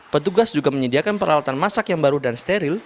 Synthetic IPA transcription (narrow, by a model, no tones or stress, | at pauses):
pət̪uɡasd͡ʒuɡaməɲədiakanpərla̰wat̪anmasakjaŋbaɾudanst̪eɾɪl